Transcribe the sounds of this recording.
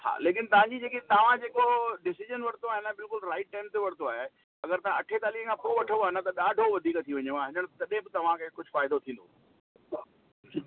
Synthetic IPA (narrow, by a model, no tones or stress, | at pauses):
ha̰ːleːkɪnt̪ɐʋ̤ãɲd͡ʑid͡ʑeːkit̪ɐʋ̤ãd͡ʑeːkoɖɪsɪʒənʋɐɽ̤t̪oaːɦenəbɪlkʊlɾaːɪʈːẽːmt̪eʋɐɽ̤t̪oaːɦe | ɐɡəɾt̪ɐ̤ãʔɐʈʰet̪aːliːkẽkʰãpoːʋɐʈʰə̃noaːɦenət̪ɐɗaːɖʱoʋɐd̪ʱiːkt̪ʰiʋɐɲeãɦɪ̃ɲəɽ̃t̪ɐɗẽbɪt̪ɐʋ̤ãkʰekʊd͡ʑʱʊfaːɪd̪ot̪ʰĩːnd̪oː | i